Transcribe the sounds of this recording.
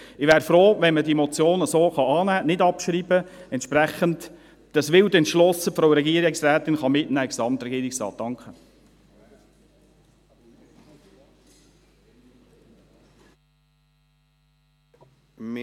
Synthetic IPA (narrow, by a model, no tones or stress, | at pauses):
ɪʋæːɾfɾoːʋɛnmədimɔt͡sjoːnəsoːχɑɑːnæːnɪdɑpʃɾiːbəɛntʃpɾæχənd | d̥ɑsʋɪldɛntʃlɔsəfɾoʊɾɛɡiəɾɪksræːt̪ɪnχɑmɪtnæːɪɡsɑmt̪ɾɛɡiəɾɪksrɑ̰ːt̪̚d̥ɑŋkχə